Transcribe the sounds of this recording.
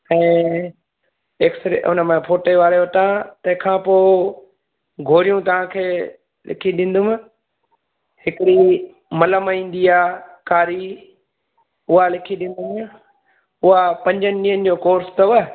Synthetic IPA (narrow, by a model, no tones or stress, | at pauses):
ɛ̃ː | eksɾiʔʊ̰nəmẽpʰoːʈeʋaːɾeʊʈãt̪ɐ̃ɦɪ̃kʰãːpoː | ɡʱoːɾijũt̪ɐʋ̤ãkʰeː | lɪ̰kʰiɗɪ̃ːnd̪ʊmɪ̃ | hɪkɪɾi | mɐləmĩːn̆d̪iaːkaːɾi | ʊɦalɪkʰiɗɪ̃ːn̆d̪ʊm | ʊɦapɐ̃ɲd͡ʑənɪniːɦənɪ̆d͡ʑoːkoːɾst̪ɐʋə